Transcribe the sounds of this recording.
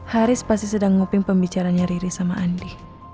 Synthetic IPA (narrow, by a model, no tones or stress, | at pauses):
haɾɪspast̪isədaŋŋupɪŋpəmbit͡ʃaɾaːɲaɾiɾisamaʔandi